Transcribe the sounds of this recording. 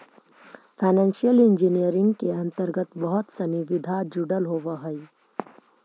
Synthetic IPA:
pʰaːnɛ̃ːnʃijəlɪ̃nd͡ʒinijəɾɪ̃ŋɡkeɐ̃nt̪əɾɡət̪bɐɦʊt̪sɐniʋɪd̪ʱad͡ʒʊɖəlɦoːʋaɦɐi

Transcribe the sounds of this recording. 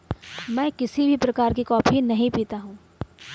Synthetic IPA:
mɛ̃ːkɪsibʱipɾɐkaːɾkikɔːpʰinɐɦĩpiːt̪aɦũː

